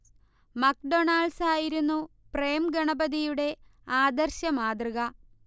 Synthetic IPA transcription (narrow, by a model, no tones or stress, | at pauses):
mɐkɖo̞ɳaːɭsaːjiɾunːupreːmɡɐɳɐbɐðijuɽe̞aːd̪ɐrɕɐmaːd̪rɨɣɐ